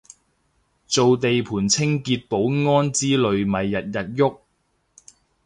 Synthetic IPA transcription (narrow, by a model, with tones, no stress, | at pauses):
t͡so˨wt̪e˨jpʰuː˨˩nt͡sʰɪ˥ŋkiː˧t̚po˨˥wŋɔː˥nt͡siː˥lɵ˨ɥmɐ˨jːɐ˨t̚jɐ˨t̚jʊ˥k̚